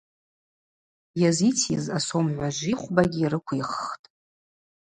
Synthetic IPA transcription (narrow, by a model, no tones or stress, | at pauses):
jazit͡sʰjizasomʕʷaʒʷiχʷbaɡʲiːɾɨkʷʰiχːtʼ